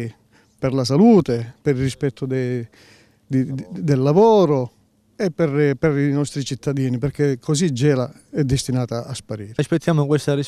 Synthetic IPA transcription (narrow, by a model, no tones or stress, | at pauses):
pɛrlas̬aluːt̪epɛɾirispɛt̪ʰːʊd̪ɛ | d̪d̪elːavɔːɾʊ | ɛpːɛrpɛɾinɔst̪ɾit͡ʃit̪ːad̪iːnipɛɾkekʰːosid͡ʒːɛːla | ɛd̪ːɪst̪inaːt̪aːspaɾiːɾaspet̪ːjaːmʊkwest̪aɾi